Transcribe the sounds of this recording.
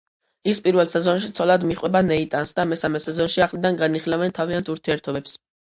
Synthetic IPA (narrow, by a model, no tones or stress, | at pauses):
ispʼiɾvɛlˠsɛzɔnʃit̪sʰɔlad̪miχʼwɛbanɛit̪ʼansd̪amɛsamɛsɛzɔnʃiaχlid̪anɡaniχilɛvɛnt̪ʰaviant̪ʰuɾt̪ʰiɛɾt̪ʰɔbɛps